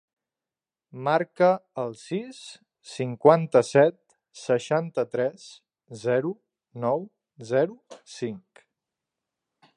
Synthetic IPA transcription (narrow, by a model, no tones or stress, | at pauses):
maɾkəəlˠsisː | iŋkwant̪əsɛt̪̚ | səʃant̪ət̪ɾɛs | zɛɾu | nɔw | zɛɾusiŋk